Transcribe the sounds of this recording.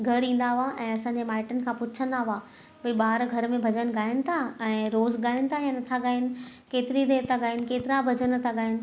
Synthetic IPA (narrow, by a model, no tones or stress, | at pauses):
ɡʱɐɾĩːn̆d̪aɦʊaʔɛ̃ːɐsãːɲd͡ʑemaːɪʈənɪ̆kʰãːpʊt͡ɕʰə̃nd̪aɦʊaː | pɐiɓaːɾɡʱɐɾmẽbʱɐd͡ʑən̆ɠaːɦɪnɪ̆t̪ʰaɛ̃ːɾoːzɡaːɦɪnɪ̆t̪ʰaijãnɐt̪ʰaɠaːɦɪnɪ̆keːt̪ɪɾid̪eːɾt̪ʰaɠaːɦɪnɪ̆keːt̪ɪɾabʱɐd͡ʑənt̪ʰaɠaːɦɪnɪ̆